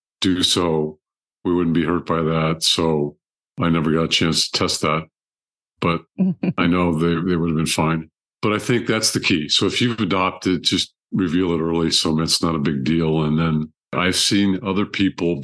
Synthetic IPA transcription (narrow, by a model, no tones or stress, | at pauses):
d̥ɨsoʊ | wiwʊdⁿn̩b̥ihɜ˞t̚b̥aɪðætsoʊ | aɪnɛvə˞ɡɑɾɨt͡ʃʰæ̃nstʰə̥tʰɛst̪̚ðæt̚ | b̥ʌɾ̚aɪnoʊðeɪðeɪwʊɾɨvbɨ̃nfãɪ̃n | b̥ʌɾaɪθɪ̃ŋk̚ðætsðɨkʰisoʊɨfjʉvvɨdɑp̚tɨd̚d͡ʒʌst̚ɹɨvilˠdəɾɜ˞lˠisoʊmɪ̃nɨtsnəɾəbɪɡ̚dilˠə̃nðɨ̃n | ʔa̰ɪv̥sĩnʌðə˞pʰipl̩ˠ